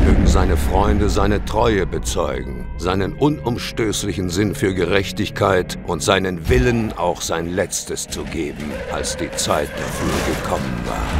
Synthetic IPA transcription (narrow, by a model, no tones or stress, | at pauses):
møːɡŋ̩zaɪnəfʁ̥ɔʏndəzaɪnətʁ̥ɔʏəbət͡sɔʏɡŋ̩ | zaɪnənʔʊnʊmʃtøːslɪçn̩zɪnfyːɐɡəʁɛçtɪçkʰaɪtʔʊntz̥aɪnənvɪlənʔa̰ʊxz̥aɪnlɛt͡stəst͡suɡeːbm̩ʔa̰lsd̥iːt͡saɪt̚d̥a̰fyːɐɡəkʰɔmənva̰ːɐ